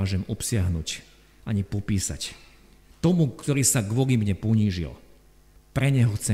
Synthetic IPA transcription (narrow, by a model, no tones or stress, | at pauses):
aːʒɛmɔpsɪaɦnṵːc | ʔaɲipɔpiːsa̰c | t̪ɔmukt̪ɔɾiːsaɡʋɔɡimɲɛpɔɲiːʒḭl | pɾɛɲɛɦɔxt͡sɛ